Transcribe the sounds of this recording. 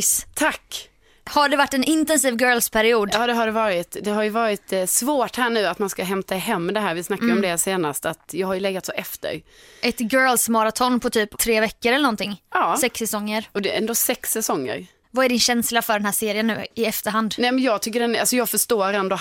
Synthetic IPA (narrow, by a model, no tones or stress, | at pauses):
st̪ʰakː | haɖɛvaʈːɛnɪnt̪ɛnsiːvɡœːlspʰæɾɪuːd̪ɑːd̪ɛɦaɖɛvɑːɾɪt̪d̪ɛɦaɾjɵvɑːɾɪt̪svoːʈhæːɳʉ̟ːat̪manskaɦɛmt̪aɛɦɛmːɛd̪ɛɦæːɾvɪsnakːaɾɔmd̪ɛseːnast̪at̪jɑːɡhaɾjɵlɛɡːat̪soːʔɛft̪ə̰ɾ | ʔɛt̪ɡœːlsmɑɾat̪ʰɔnːpʰɔt̪ʰyːpt̪ʰɾeːvɛkːəɾɛlənɔnt̪ɪŋːɑːsɛksɛsɔŋːəɾɔd̪ɛɾɛnd̪oːsɛksɛsɔŋːə̰ɾ | vaæɖɪnɕɛnslafœɖɛnɦæːʂeːɾɪənːʉ̟̰ːɪɛft̪əɾɦand̪nɛmɛnjɑːɡ̚t̪ʰʏkːəɖɛna̰lsɔjɑːɡfœʂt̪oːɾɛnd̪ɔ